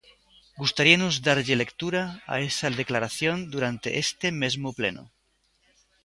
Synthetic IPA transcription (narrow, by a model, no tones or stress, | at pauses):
ɡust̪aɾianozðaɾʎele̞kt̪uɾaa̰e̞saðe̞klaɾaθjõ̞nd̪uɾant̪e̞̰ʔest̪e̞mezmople̞̰no̰